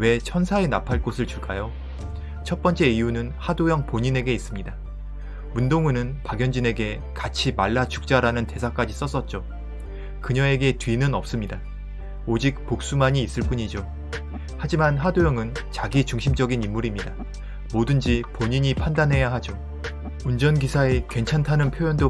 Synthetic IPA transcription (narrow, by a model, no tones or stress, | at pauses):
we̞t͡ɕʰʌnsʰaenapʰaɭk͈osʰɯɭt͡ɕuɭk͈ajo | t͡ɕʰʌt̚p͈ʌnt͡ɕ͈e̞ijunɯnhadojʌŋpoɲine̞ɡe̞is͈ɯmɲida | mundoŋunɯnpaɡjʌnd͡ʑine̞ɡe̞ | kat͡ɕʰimaɭːat͡ɕʰu̥k̚t͡ɕ͈aɾanɯnte̞sʰak͈ad͡ʑis͈ʌs͈ʌt̚t͡ɕ͈o | kɯɲʌe̞ɡe̞tɥinɯnʌp̚s͈ɯmɲida | od͡ʑik̚pok̚s͈umaɲiːs͈ɯɭp͈uɲid͡ʑo | had͡ʑimanɦadojʌŋɯn | t͡ɕaɡit͡ɕuŋɕʰimd͡ʑʌɡinimːuɾimɲida | modɯnd͡ʑipoɲiɲipʰandanɦe̞jaɦad͡ʑo | und͡ʑʌnɡisʰaekwe̞nt͡ɕʰantʰanɯnpʰjojʌndo